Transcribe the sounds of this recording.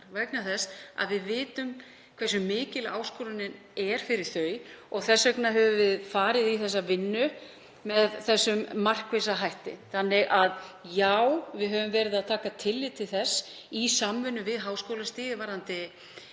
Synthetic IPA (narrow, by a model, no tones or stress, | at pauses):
vɛknaθɛsa̰ðvɪðvɪːt̪ʏm | kʰvɛsʏmːɪːcɪla̰ːwskɔɾʏnɪn | ɛɾ̥fɪɾɪɾ̥θœːɥɔɣθɛsːœknaɦɛvʏvɪðfaːɾɪðiθɛsːavɪnːʏ | mɛðθɛsːʏmːar̥kves̬aɦajht̪ɪθanːɪɣʔaðjawvɪðɦœvʏmvɛːɾɪðaðt̪ʰaːkat̪ʰɪlːɪt̪ʰɪlθɛs | isamvʏnːʏvɪðɦaːwskowlast̪iːðɪvaɾant̪ɪ